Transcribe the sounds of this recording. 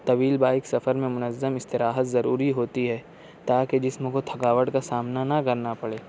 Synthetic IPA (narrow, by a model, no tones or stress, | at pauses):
t̪ɐʋiːlbaːɪksɐfəɾmẽmʊnəzːəmɪst̪ɪɾaːɦət̪zɐɾuːɾiɦoːt̪iɦɛː | t̪aːked͡ʒɪsmõkot̪ʰɐkaːʋəɽkasaːmnanɐkɐɾnapɐɽeː